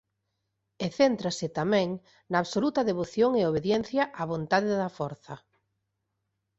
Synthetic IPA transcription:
eθent̪ɾasɪt̪amɛ̃ŋ | nɐːβsolut̪ɐðeβ̞oθjoŋeoβeðjɛn̟θjɐʔaβ̞ont̪aðeðɐfɔɾθɐ̰

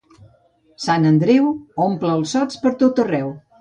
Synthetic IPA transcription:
sanənd̪ɾiwompləlˠsɔt͡spəɾt̪ot̪ərɛw

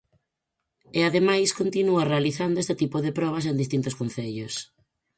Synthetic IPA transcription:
eaðemajskont̪inuarealiθand̪ʊest̪et̪ipoðepɾɔβ̞ɐs̬end̪ist̪int̪ʊskonθeʎʊs

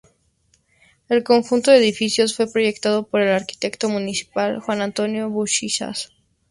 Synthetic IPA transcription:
e̞lko̞ŋxunt̪oðeðifisjo̞sfwe̞pɾo̞ʝe̞kt̪að̞o̞po̞ɾe̞laɾki̥t̪e̞kt̪o̞mũnisi̥palxwanãnt̪o̞njo̞βuʃisa̰s

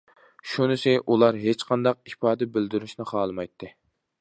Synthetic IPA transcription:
ʃunɨsɪʔulˠɑɾɦet͡ʃqʰɑnd̪ɑq̚ipɑːd̪ɛbɪld̪yɾyʃnɪχɑːlˠɨmɑjt̪ʰːɨ

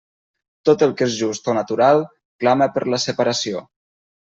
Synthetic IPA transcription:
t̪ot̪əlˠkezʒust̪onət̪uɾalˠ | klaməpəɾləsəpəɾəsio

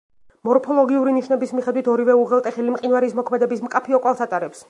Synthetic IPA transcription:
mɔɾpʰɔlˠɔɡiuɾiniʃnɛbismiχɛd̪wit̪ʰɔɾivɛuʁɛlˠt̪ʼɛχɛlimqʼinvaɾːsmɔkʰmɛd̪ɛbismkʼapʰiɔkʼwalˠsat̪ʼaɾɛps

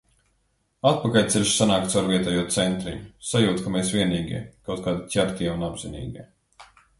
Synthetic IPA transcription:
at̪̚pakalʲt̪sɛlʲʃsanaːk̚t̪saɾvʲiɛt̪ɛjuɔt̪sɛnt̪ɾḭɲusajuːt̪kameːsviɛniːɡʲḭɛkawt̪̚kaːd̪ic̪ʲaɾt̪ʲiɛunabzinḭːɡʲḭɛ

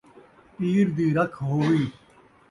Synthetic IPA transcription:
piːɾd̪iːɾəkʰɦoːʋiː

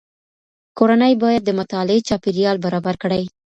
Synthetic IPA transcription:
koɾanəjbɑjad̪̚ːəmʊt̪ɑlɪet͡ʃɑpeɾijɑlbaɾɑbaɾkɽaj

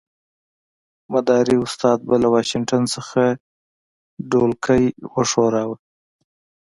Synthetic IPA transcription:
mad̪ɑɾiʊst̪ɑd̪̚balawɑʃɪŋʈansəxa | ɖolkʰəjwəʂoɾɑwə

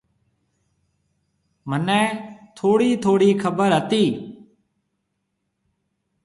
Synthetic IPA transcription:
mənɛ̃ːt̪ʰoːɽiːt̪ʰoːɽiːkʰəbəɾɦət̪iː

